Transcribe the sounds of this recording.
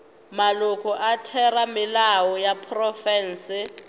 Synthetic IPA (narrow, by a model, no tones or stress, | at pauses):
malukʰɔʔatʰɛramɪlawɔjapʰrɔfɛːnsɪ